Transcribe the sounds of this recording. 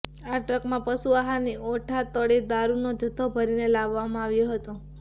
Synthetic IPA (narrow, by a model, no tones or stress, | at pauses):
aʈɾəkmãpəsuaɦaniʔoʈʰat̪əɽid̪aɾunod͡ʒət̪ʰːobʱəɾinelaʋːamãaʋjoɦət̪o